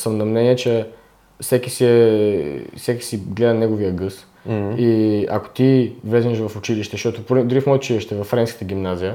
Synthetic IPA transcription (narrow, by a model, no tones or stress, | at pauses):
səmnɐmnɛniɛt͡ʃɛ | fsɛkisiɛ | fsɛki̥siɡlɛd̪ənɛɡovijəɡɤs | ia̰ko̥t̪ivlɛznʲɛʃvɐfʊt͡ʃiliʃt̪ɛʃt̪ɔt̪ʊpɾid̪ʊɾifmɔjʊt͡ʃiliʃt̪ɛvɐfːɾɛnskə̥t̪əɡʲimnazijə